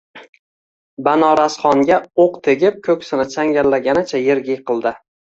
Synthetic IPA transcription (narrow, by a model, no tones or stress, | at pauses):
banɒɾasχɒŋɡʲaoqt̪ʰe̞ɡʲɪp̚kʰɵkʲsɪnɪt͡ʃʰaŋɡʲalːaɡʲanɪt͡ʃʰajeɾɡʲɪjqʰɨlˠd̪ɪ